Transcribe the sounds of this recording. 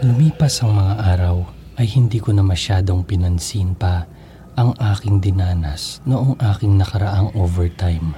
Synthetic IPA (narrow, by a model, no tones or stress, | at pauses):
lʊmiːpɐsɐŋmɐŋaʔaːɾɐw | ʔɐjhɪnd̪iːkonɐmɐʃaːd̪o̞ŋpɪnɐnsinpɐ | ʔɐŋʔaːkɪŋd̪ɪnaːnɐ̰snoʔoŋʔaːkɪŋnɐkɐɾɐʔaŋʔoːvɛɹt̪ajm